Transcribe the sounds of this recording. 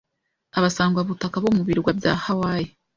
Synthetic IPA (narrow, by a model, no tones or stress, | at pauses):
aβasaːŋɡwaβutakaβomuβiɾɡwabja̰ːhawaːje